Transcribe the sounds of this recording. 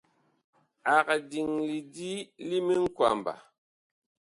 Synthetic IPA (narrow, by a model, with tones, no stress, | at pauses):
a˨ka˨di˨ŋli˨di˦li˦mi˦ŋ̩˦kwa̰˨m˨ba̰˨